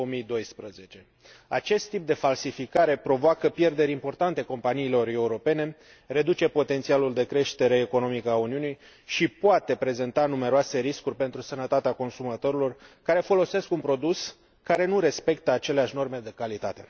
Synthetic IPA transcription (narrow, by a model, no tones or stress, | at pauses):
omijd̪o̞jspɾəze̞t͡ʃe̞ | a̰t͡ʃe̞st̪ːip̚d̪e̞falsifikaɾe̞pɾo̞voakəpje̞rd̪e̞ɾʲimpo̞rt̪ant̪e̞ko̞mpaniːlo̞ɾe̞uɾo̞pe̞ne̞ | re̞d̪ut͡ʃe̞po̞t̪e̞nt̪sialuld̪e̞kɾe̞ʃt̪e̞ɾe̞ːko̞no̞mikəauniunij | ʃipoat̪e̞pɾe̞ze̞nt̪anume̞ɾoase̞ɾiskurʲpe̞nt̪ɾusənət̪at̪eako̞nsumat̪o̞ɾilo̞rkaɾe̞fo̞lo̞se̞skunpɾo̞d̪us | kaɾe̞nuɾe̞spe̞k̚t̪əat͡ʃe̞leaʃʲno̞rme̞d̪e̞kalit̪at̪e̞